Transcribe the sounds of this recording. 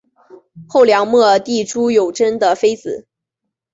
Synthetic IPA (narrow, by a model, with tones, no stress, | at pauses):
xo˥˩ʊljɑ˧˥ŋmɔ˥˧t̪i˥˩ʈ͡ʂu˥jo˨˩ʊʈ͡ʂə˥nd̪ə˨fe˥ɪt͡sɹ̩˨˩˦